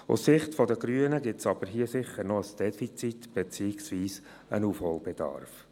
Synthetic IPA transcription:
ʊ̰sːɪχtfɔdəɡɾyːənəɡɪsɑb̥əɾɦiəsɪχəɾnɔəsd̥ɛfit͡sit̪b̥et͡siːɪksviːs | ə̰nuːfholb̥ed̥ɑ̰rf

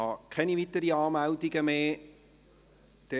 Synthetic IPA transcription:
ɑkʰɛnivitərdiɑːmæwdiɡəmeː | d̥e

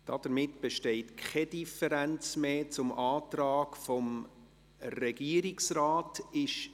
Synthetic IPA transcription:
d̥ɑd̥əɾmɪtb̥eʃtɛɪtkʰχɛd̥ifəɾænt͡smeːt͡sʊmʔɑːtrɑːkfɔm | rɛɡ̥iːɾiksraːtɪʃ

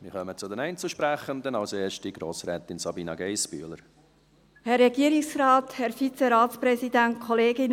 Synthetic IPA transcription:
mɪχœmət͡sʊd̪ɛnɛɪnt͡suʃpɾæχənd̪ənɑwseːʃtiɡ̥ɾoːsɾɛːt̪ɪnsɑbiːnɑɡɛɪsby̰ələɾ | hɛrːɛɡiəɾɪksrɑːthɛɾfit͡sɛɾɑːtspɾɛsidæntkʰɔleːɡɪn

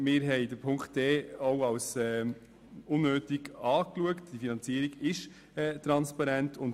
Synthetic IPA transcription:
mɪːɾɦɛɪdəɾpʰʊŋkχtːɛoʊɑwsɛː | ʊnːøːtiɡɑːkluəktd̥iəfinɑnt͡siəɾiɡɪʃ | ɛːtɾɑnspɑɾɛntʰʊn

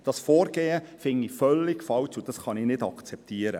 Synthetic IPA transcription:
d̥ɑsfoːɾɡ̥eːəfɪŋifœlːɪɡ̥fɑwt͡sud̥ɑsχɑnɪnɪdɑkt͡sɛp̚tiːəɾə

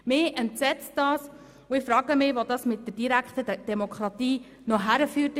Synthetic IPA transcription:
mɪɛntsɛt͡std̥ɑːs | ʊɪfɾɑːɡəmɪʋodɑsmɪt̚dəɾdiɾækχtəd̥ɛmɔkʰχɾɑtiː | nɔɦæɾəfyːt

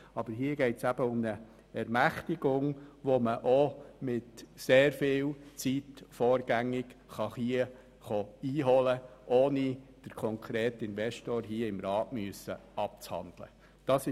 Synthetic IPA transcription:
ɑbəɾɦiəɡɛɪtsæb̥əʊmnə | ɛɾmæχtɪɡ̥ʊŋʋoməʔomɪtseːɾfɪːlt͡sitfɔːɾɡæŋɪɡχɑχiə | χoiːɦɔləʔoːnid̥əɾkʰɔŋkʰɾeːtɪnvɛʃtoːɾɦiəɪmɾɑːtmyəsəɑp̚t͡shɑ̰nd̥lə̰ | d̥ɑsɪ

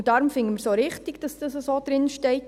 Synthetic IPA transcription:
d̥aɾʊmfɪŋəmɪɾsoɾɪχtiɡd̥ɑsd̥ɑsəsod̥ɾɪnʃtɛɪt

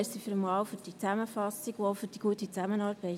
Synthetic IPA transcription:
sifyɾəmɑːwfʏɾd̥it͡sæməfɑsːiɡofʏd̥iɡ̥uət̪it͡sæmənɑːɾb̥ɛɪ

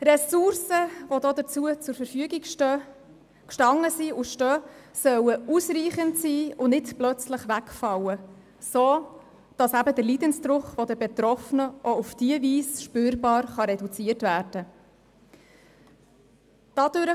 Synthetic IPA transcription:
ɾɛsuɾsəvodoːd̪ət͡suət͡sʊɾfəɾfyəɡikʃ | kʃtɑŋːəsiʊʃtœːsœwəusɾiːχəntsiːʊnɪtplœt͡sləχʋækfɑwə | soː | d̥ɑsæbədəɾliːdənsdɾʊχʋɔdəbet̪ɾɔfnəʔɔufd̥iəviːsʃpøːɾbɑːɾχɑɾɛdut͡siəɾtvæːɾd̥ə | d̥ɑd̥ʉɾə

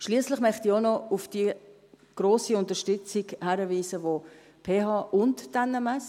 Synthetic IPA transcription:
ʃliːəslɪχmœχtionɔʊfd̥i | ɡ̥ɾoːsiʊntəʃtʏt͡siɡhɛɾəviːsəvo | pʰeːɦɑːʔʊntd̥anɛmɛs

